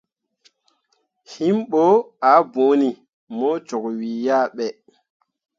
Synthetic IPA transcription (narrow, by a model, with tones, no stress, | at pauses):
hi˦mɓo˦a˨˦bo˨˦ni˨ | mɔ˦t͡ʃɔ˨kwi˨ja˦ɓɛ˨